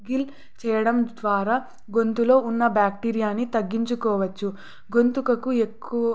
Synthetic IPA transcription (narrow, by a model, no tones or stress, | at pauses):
ɡil | t͡ʃɛːjɐɽɐmd̪ʋaːɾaː | ɡo̞nt̪ulo̞ːunːɐbjaːk̚ʈiːɾijaːnːit̪ɐɡːiɲt͡ʃukɔːʋɐt͡ʃːu | ɡo̞nt̪ukɐkue̞kːuʋɐ